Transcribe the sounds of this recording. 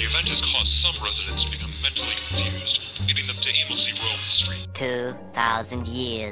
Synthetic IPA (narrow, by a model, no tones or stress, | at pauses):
iɨvɛ̃nt̚hɨz̥kʰɔzsʌ̃mɹɛzɨɾɨ̃ntstʰb̥ɨkʰʌ̃mːɛ̃ntʰl̩ˠikʰɨ̃nfjʉzdliɾɪ̃ŋðɨ̃mtʰɨʔɪ̃məl̩ˠsivɹoʊlˠhɪstɹ̥itʰʉ | θaʊzɨ̃ndjɪɹ